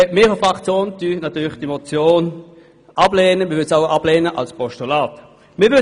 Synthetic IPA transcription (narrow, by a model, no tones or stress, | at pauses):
meːʁəfʁakt͡sjoːntynat̪yːlɪχd̥emɔt͡sjoːn | ʔab̥leːnəmɪːʋʏlsaʊab̥leːnəʔa̰lspɔʃtulaːt | miːɐʋʏ